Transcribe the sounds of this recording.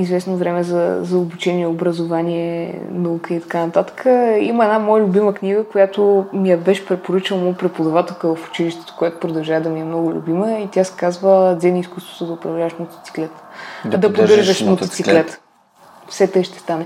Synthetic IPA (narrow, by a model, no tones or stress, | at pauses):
izvɛsnovɾɛmɛzə̰zɐobut͡ʃɛniɛobɾəzʊvanʲiɛnɐukəit̪ɐ̥kanɐt̪at̪ə̥kʰəiməɛdnamɔjəlʲʊbiməkniɡəkojat̪omijəbɛʃɛ̥pɾɛpoɾɤt͡ʃilˠɐmɔpɾɛt̪pod̪ɐvat̪ɛlˠkəvɐfʊ̥t͡ʃiliʃt̪ɛ̥t̪o̥kojat̪o̥pɾod̪ɐlˠʒavəd̪ɐmiɛmnɔɡʊlʲṵbiməit̪ʲjasɛ̥kazvəd̪zɛniskust̪vo̥t̪ʊd̪ɐʊpɾɐvlʲavəʃmot̪o̥t̪si̥klɛt̪d̪d̪ɐpɾod̪əɾʒəʃmot̪ot̪siklɛt̪ə̥ | fsɛt̪əjʃt̪ɛ̥st̪anɛ